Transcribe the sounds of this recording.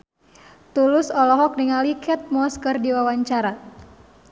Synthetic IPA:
t̪ulʊsɔlɔɦɔk̚niŋalikʰɛt̪̚mɔskərdiwawaɲt͡ʃaɾa

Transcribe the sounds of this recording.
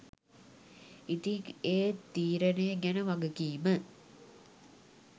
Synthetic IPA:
it̪iŋeːt̪iːɾɐnejɡænəʋɐɡəkiːmə

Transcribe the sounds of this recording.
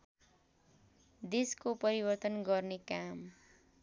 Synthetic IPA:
d̪eskopʌɾibʌrt̪ʌnɡʌrnekam

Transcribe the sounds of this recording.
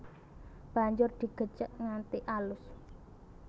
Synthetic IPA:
b̥a̤ɲd͡ʒʊrd̪̥i̤ɡ̥ə̤t͡ʃəʔŋant̪iʔalʊs

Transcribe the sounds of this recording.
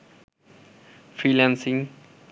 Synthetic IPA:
fɹiːlãnsɪ̃ŋ

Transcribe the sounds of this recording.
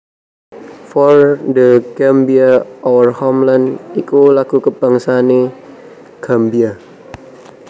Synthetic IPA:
fɔrdəkɛmbiaɔwərhɔmlandikulakukəbaŋsane | ɡ̥ambia

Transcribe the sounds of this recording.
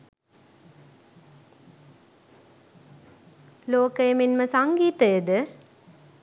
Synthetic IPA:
loːkɐjɐminməsɐŋɡiːt̪əjəd̪ɨ

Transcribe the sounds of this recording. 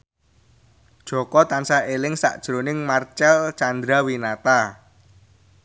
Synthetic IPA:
d̥ʒ̥ɔ̤kɔt̪ansaelɪŋsa̰ʔd̥ʒ̥ɾonɪŋmart͡ʃɛlt͡ʃand̪ɾawinat̪a

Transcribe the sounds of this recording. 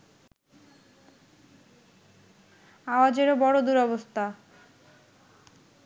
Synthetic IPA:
aoad͡ʑeɾobɔɽod̪uɾɔbost̪ʰa

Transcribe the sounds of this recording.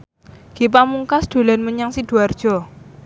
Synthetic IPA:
ɡ̥ip̬amuŋkasd̪̥o̤lɛnməɲaŋsid̥ṳard̥ʒ̥ɔ̤

